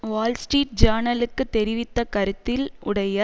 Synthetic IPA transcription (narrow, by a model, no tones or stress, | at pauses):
ʋaːlsʈɾiːʈ̚d͡ʒaːnɐlɯkːɯt̪ːɛɾɪʋɪt̪ːɐkɐɾɯt̪ːɪlʊɽɐjɐ